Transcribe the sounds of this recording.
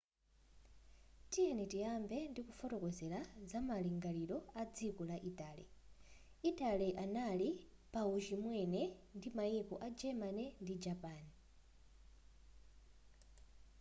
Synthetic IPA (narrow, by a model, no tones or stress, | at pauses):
tijɛnitiambɛndikufɔtɔkɔzɛlazamaliŋɡaliɾɔad͡zikɔlaʔitʼaːlḭ | itʼaliʔanalipaut͡ʃimwɛnɛndimaikɔʔad͡ʒɛmanɛndid͡ʒapaːni